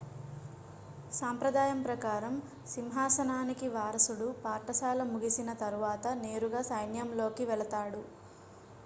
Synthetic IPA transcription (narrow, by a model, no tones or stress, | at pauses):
saːmpɾɐd̪aːjɐmpɾɐkaːɾɐm | simɦaːsɐnaːnikiʋaːɾɐsuɽupaːɾʈɐsaːlɐmuɡisinɐt̪ɐɾuʋaːt̪ɐne̞ːɾuɡaːsɐjnjɐmlo̞ːkiʋɛɭɐt̪aːɽu